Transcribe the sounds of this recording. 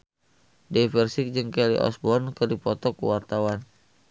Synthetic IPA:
dɛfɛrsɪk̚d͡ʒɨŋkɛlḭʔɔ̰sbɔnkɨrdipɔt̪ɔkuwart̪awan

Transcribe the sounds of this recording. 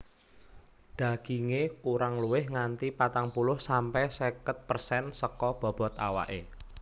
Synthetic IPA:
d̥a̤ɡ̥iŋekuɾaŋluwɪhŋant̪ipat̪aŋpulʊhsampɛsɛkət̪̚pərsɛnsəkɔb̥ɔ̤b̥ɔ̤t̪awa̰ʔe

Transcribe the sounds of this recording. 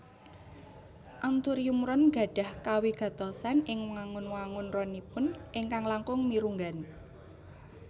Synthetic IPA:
ʔant̪ʊɾjumɾɔnɡ̥a̤ɖ̥a̤hkawiɡ̥a̤t̪ɔsanɪŋməŋaŋʊnwaŋʊnrɔnipʊnʔɪŋkaŋlaŋkʊŋmiɾuŋɡan

